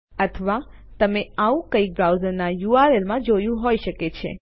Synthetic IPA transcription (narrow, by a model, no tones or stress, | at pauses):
ət̪ʰəʋa | t̪əmeaũkəik̚bɾawzəɾnajuaɾelmãd͡ʒojũɦojʃəket͡ʃʰḛ